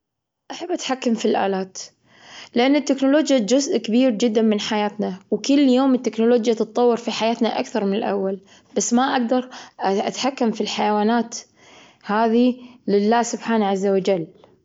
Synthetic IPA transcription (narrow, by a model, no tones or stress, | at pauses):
ʔaħabːʔat̪ħakːamfilʔa̰ːlaːt̪ | lɪʔanːɪt̪ːɪknʊloːd͡ʒjad͡ʒʊzʔkabiːɾd͡ʒɪd̪ːanmɪnħajaːt̪nawkʊlːjoːmɪt̪ːɪknʊloːd͡ʒjat̪ɨt̪ˤːɑwːɪɾfiħajaːt̪naʔa̰kθɑɾˤmɪnɪlʔa̰wːal | b̥asːmaʔaɡd̪ɑɾˤʔat̪ħakːamfilħajawaːnaːt̪ | haːðilɪlːaːsʊbħaːnaʕazːawad͡ʒalː